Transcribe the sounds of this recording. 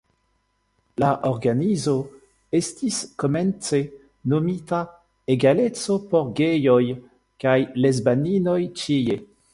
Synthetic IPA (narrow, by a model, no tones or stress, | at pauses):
laʔoʁɡanizo̞ | estiskomɛnt͡se | nomita | eɡalet͡so̞poɾɡejoj | kajlezbaninojt͡ʃije